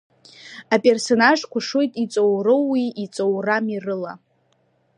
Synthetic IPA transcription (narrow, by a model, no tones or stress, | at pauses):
apʼe̞rso̞naʐkʷʊʂojtʼit͡sʼowrɨːiːt͡sʼowramirɨla̰